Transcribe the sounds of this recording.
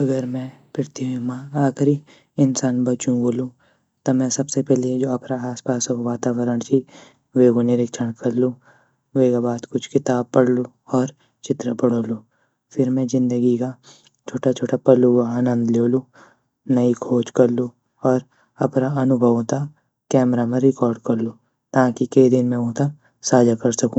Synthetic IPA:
ɐɡəɾmɛ̃pɪɾt̪iɦemãaːkɾi | ɪnsaːnbɐt͡ʃũboːlũ | t̪ɐmɛ̃sɐbsepɛːled͡ʒoːɐpnaaːspaːsɦoʋaːt̪aːʋəɾəɽ̃t͡ʃʰi | ʋeːɡonɪɾɪkʃəɽ̃kɐɾlu | ʋeːɡabaːt̪kʊt͡ʃʰkɪt̪aːb̚pɐɽlu | ɔːɾ | t͡ʃɪt̪ɾəpɐɽ̤oːluː | fʰɪɾmɛ̃zɪ̃nd̪əɡika | t͡ʃʰoːʈʰat͡ʃʰoːʈʰapɐluɡaaːnə̃nd̪leːluː | nɐikʰoːt͡ʃkɐɾlu | ɔːɾ | ɐpnaɐnʊbʱəʋ̃t̪a | kɛːmɾamẽɾɪkɔːɾɖkɐɾlu | t̪ãːkikɐid̪ɪnmẽõːt̪a | saːd͡ʒʱakɐɾsɐkũː

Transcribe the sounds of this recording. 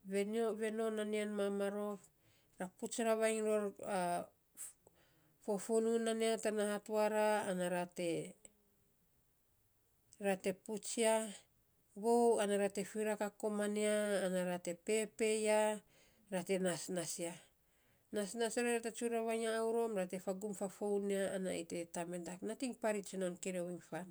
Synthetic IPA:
βe̞nioβe̞no̞nanianmamaɾo̞p | ɾaput͡ʃɾaβajŋɾoɾa | fofununaneatanahatuaɾaːnaɾate | ɾate̞put͡ʃia | βowanaɾate̞fiɾakako̞maneaːnaɾate̞pe̞pe̞ja | ɾate̞nasnasia | nasnasiaɾaɾatet͡ʃuɾaβajaːwɾo̞mɾate̞faɡumfafowneaːna̰itetamedaknatiŋpaɾit͡ʃinonkeɾewiŋfan

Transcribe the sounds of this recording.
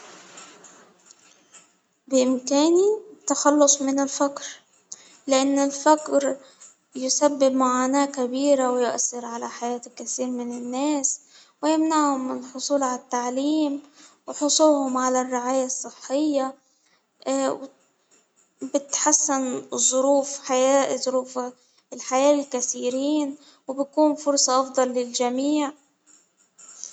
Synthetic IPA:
bɪʔɪmkæːnit̪ːaxɑlːʊsˤmɪnɪlfakɾ | lɪʔanːɪlfakɾ | jʊsabːɪbmʊʕaːnaːʔkabiːɾawɪjʊʔaθːɪɾʕalaħajaːt̪kːaθiːɾmɪnanːæːs | wɪjamnaʕhʊmːɪnlħʊsˤuːlʕalat̪ːaʕliːmwɪħʊsˤuːhʊmʕalarːɪʕaːjasˤːɨħːɪjːa | wɪ | bɪt̪ħasːɪnzˤʊɾuːfħajaːʔzˤʊɾuːf | ɪlħajaːʔlkaθiːɾiːn | wɪbjakuːnfʊɾsˤɑʔɑfd̪ˤɑlːɪld͡ʒamiːʕ

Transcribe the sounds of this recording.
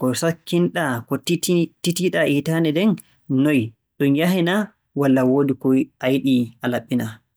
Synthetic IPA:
kɔsakːinɗakɔititiɗaʔitanɛdɛn | nɔj | ɗunjaɦina | walːawoːdikɔjʔajiɗiʔalaɓːina

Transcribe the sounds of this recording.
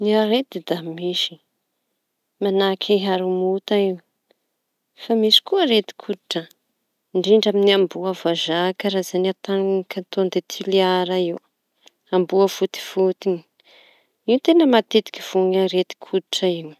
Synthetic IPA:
niaɾed̪id̪amiʃi̥ | manakʲʰaɦaɾumut̪aiw | famisi̥kuəɾet̪i̥kʰud̪i̥ʈ͡ʂə | ɳɖ͡ʐiɳɖ͡ʐaminiambuavazakəɾazanat̪ankat̪ond̪et̪ʰiliaɾaiw | ambuəfut̪i̥fut̪ini̥ | iut̪enəmat̪ed̪i̥kʲiv̥uŋaɾet̪i̥kʰud̪iʈ͡ʂaiw

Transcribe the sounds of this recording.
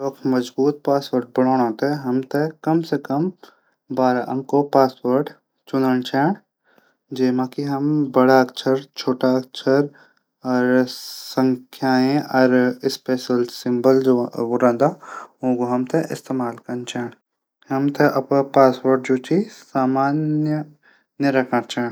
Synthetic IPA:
oːkʰmɐd͡ʒbuːt̪̚paːsʋəɾɖ̚bɐɽ̤oːɽ̃õːt̪eɦɐmt̪ɐkɐmsekɐm | baːɾaʔɐ̰̃ŋkopaːsʋəɾɖ | t͡ʃʊnəɳ̃t͡ʃɛːɽ | d͡ʒeːmãkiɦɐmbɐɽakt͡ʃʰəɾt͡ʃʰoːʈak̚t͡ʃʰəɾ | ɔɾsə̃ŋkʰjaːẽɐɾɪspeːʃəlsɪ̃mbəld͡ʒʋʊɾãːnd̪aõːɡoɦɐmt̪ʰɐʔɪ̰st̪eːmaːlkɐnt͡ʃɛːɽ | ɦɐmt̪ʰɐʔɐppaːswəɾɖ̚d͡ʒoːt͡ʃʰisaːmaːnjə | njəɾɐkʰãɾt͡ʃʰɛːɽ

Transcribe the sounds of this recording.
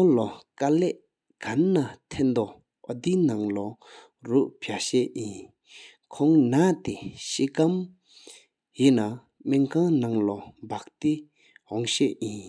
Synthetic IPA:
kɔŋlokaleʔ | kanːat̪ʰend̪o | ʔɔd̪inaŋlo | ruʔpʰaɕeʔjin | kʰɔŋnat̪eɕikam | jina | menkʰaŋnaŋlɔmbaʔ̚t̪i | ɦɔŋɕɛʔjin

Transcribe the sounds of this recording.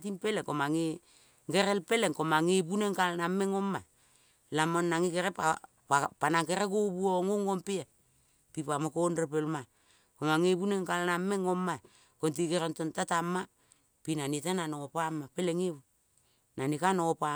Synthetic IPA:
tinpe̞lekomaŋe | ŋɡeɾelpe̞leŋkomaŋepuneŋkalnameŋoma | lamonːaŋikeɾepa | ppanaŋkeɾekobuoŋoŋompia | pipamokonrepelma | komaŋepuneŋkalnameŋoma | kont̬ikeɾontontatamːa | pinanitananokopamːapeleŋeβu | nanikanokopa

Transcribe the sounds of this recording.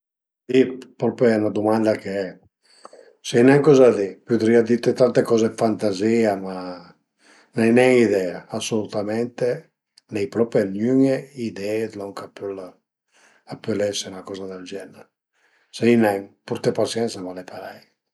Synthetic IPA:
d̪ipɾɔpeɛnad̪umand̪ake | sejnɛŋkɔzad̪ipud̪ɾiad̪it̪et̪ant̪ekɔzefant̪aziːama | nɛjnɛŋid̪ɛaːsolut̪amɛnt̪e | nɛjpɾɔpenjyŋeid̪ɛed̪lɔŋkapyl | apːølɛsenakɔːzad̪ald͡ʒɛna | seinɛŋpuɾt̪epasjɛnsamalepaɾɛj

